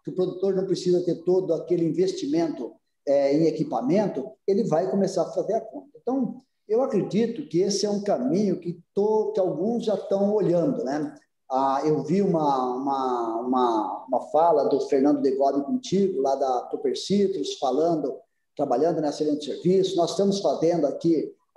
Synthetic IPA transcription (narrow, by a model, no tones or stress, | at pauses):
kɪʊpɾod̪ut̪oɾnɐ̃w̃pɾesizɐt̪eɾt̪od̪ʊakelɪĩvest͡ʃimẽnt̪ʊ | ɛẽj̃ekipamẽnt̪ʊelɪvajkomesaɾfazeɾakõnt̪ɐẽt̪ɐ̃w̃ | ewakɾed͡ʒit̪ʊkɪesɪɛũkamĩɲʊkɪt̪okɪawɡũzʒat̪ɐ̃w̃oʎɐ̃nd̪ʊnɛ | aewviũmɐũmɐũmɐũmɐfalɐd̪ʊfeɾnɐ̃nd̪ʊd̪eɡɔbɪkõt͡ʃiɡʊlad̪ɐt̪opeɾsit̪ɾʊsfalɐ̃nd̪ʊ | t̪ɾabaʎɐ̃nd̪ʊnɛeselẽnt͡ʃ̪ɪ̥seɾvisʊnɔzɪst̪ɐ̃mʊsfazẽnd̪ʊaki